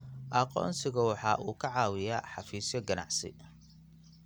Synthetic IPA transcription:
ʔɐqɔ̰ːnsɪɣɐwɑħɑːʔuːkʰɐʕɑːwɪjaːħɑfiːsjɔɡɐnɑ̰ʕsɪ̰

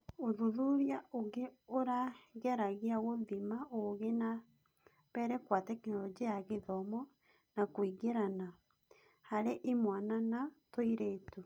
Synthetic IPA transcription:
oðuðuɾjaoɡeoɾaɣɛɾaɣiaɣoðimaoɣena | βɛɾɛkwatɛknɔɾɔd͡ʒijaɣeðɔmɔ | nakoiɡeɾana | haɾeʔimwananatoiɾeːtu

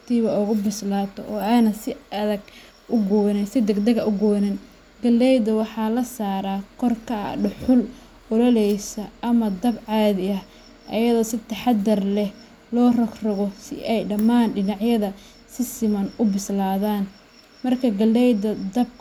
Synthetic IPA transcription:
t̪ʰiːβɐʊɣʊbɪslaːt̪ʰɔʔɔːanɐsɪɐðɐɡ | ʔʊɡɔnɛsɪd̪ɐɡd̪ɐɣɐʔʊɡɔːnɐn | ɡɐlːɛjd̪ɐwɑħɑːlɐsaːɾaːkʰɔrkʰɐɐ̰ɖʊħʊl | ɔlɐlɛjsɐʔɐmɐd̪ɐbʕɑːðɪɐh | ʔɐ̰jɐðɔːsɪt̪ʰɐħɑd̪ɐrlɛh | lɔːrɐkrɐɣɔsɪ̰ʔɛjɖɐmaːnɖɪnɑʕjɐðɐ | sɪsɪmɐnʊbɪslaːðaːn | mɐrkʰɐɡɐlːɛjd̪ɐd̪ɐb̚

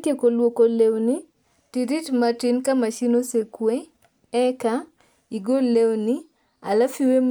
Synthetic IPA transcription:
tjekolwokolewni | tiɾitmatinkamat͡ʃinosekwe | ɛka | iɡollewni | alafiwem

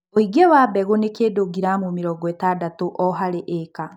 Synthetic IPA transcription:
oiɡɛwabɛɣonekeːdoɡiɾamomeɾɔɡɔetadatoʔɔɦaɾeʔɛka

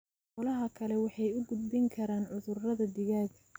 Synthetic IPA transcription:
qɔlɐɦɐkʰɐlɛwɑħɑjʊɡʊd̪̚bɪŋkʰɐɾaːnʕʊðʊrrɐðɐd̪ɪɣaːɡ

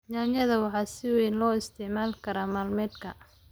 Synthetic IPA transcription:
jaːnjɐðɐwɑħɑːsɪwɛjnlɔːɪst̪ʰɛʕmaːlkʰɐɾaːmaːlmɛd̪kʰɐ̰

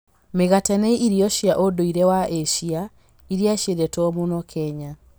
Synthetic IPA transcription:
meɣatɛnɛiʔiɾiɔʃiaʔodoiɾɛwaeʃia | iɾiaʃeɾɛtɔmunɔkʰɛɲa

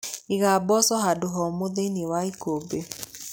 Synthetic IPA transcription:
iɣabɔsɔɦadʊɦɔmoðeniwaikobe

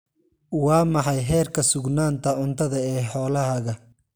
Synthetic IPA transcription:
wɑːmɑħɑjɦɛːrkʰɐsʊɡnaːnt̪ʰɐʊnt̪ʰɐðɐɛːħɔːlɐɦɐɣɐ

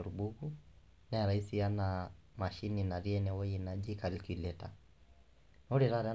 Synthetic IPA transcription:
ɔɾubuɡu | naɛɾaisiana | maʃininaɾiɛnɛwɔjinad͡ʒikalikilɛta̰ | nɔɾiɾaɾɛa

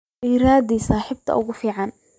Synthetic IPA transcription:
ʔiːɾaːd̪iːsaːħɪb̚t̪ʰɐ̰ʔʊɣʊfiːʕɑn

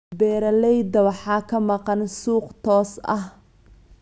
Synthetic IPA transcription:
bɛːɾɐlɛjd̪ɐwɑħɑːkʰɐmɑqɑnsuːqt̪ʰɔːsɐ̰h

